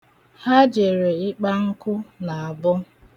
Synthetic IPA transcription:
ha˦d͡ʒe˨ɾe˨ɪ˦k͡pa˦ŋ̩˦kʊ˦na˨a˨bʊ˦

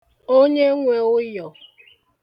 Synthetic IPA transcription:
o˦ɲe˦ŋʷe˨ʊ˦jɔ˨

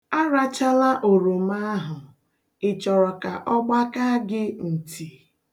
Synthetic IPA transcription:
a˦ɾa˦t͡ʃa˦la˦ʔo˨ɾo˨ma˦ɦʊ˨ | ɪ˨t͡ʃɔ˨ɾɔ˨ka˨ʔɔ˦ɡ͡ba˦ka˦ɡɪ˦n̩˨tʰi˨

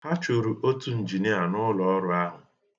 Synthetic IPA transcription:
ha˦t͡ʃo˨ɾu˨ʔo˦tu˦n̩˨d͡ʒi˨ne˦a˨nʊ˦lɔ˦ɔ˦ɾʊ˦a˦ɦʊ˨

